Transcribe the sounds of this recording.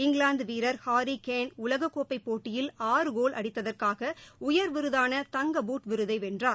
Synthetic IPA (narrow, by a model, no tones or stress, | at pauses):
ɪŋɡlaːnd̪ʋiːɾɐɾhaːɾikeːnʊlɐɣɐkːoːpːɐɪpːoːʈːɪjɪlaːrɯɣoːlʔɐ̰ɽɪt̪ːɐðɐrkaːɣɐʊjɐɾʋɪɾɯðaːnɐt̪ɐŋɡɐbuːʈʋɪɾɯðɐɪʋɛndraː